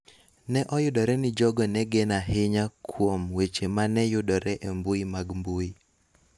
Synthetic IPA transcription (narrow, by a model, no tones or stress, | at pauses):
nɛʔɔjʊdɔɾɛnɪd͡ʒɔɡɔnɛɡɛnaɦɪɲakʰwomwet͡ʃemanɛjʊdɔɾɛʔembuimaɡmbui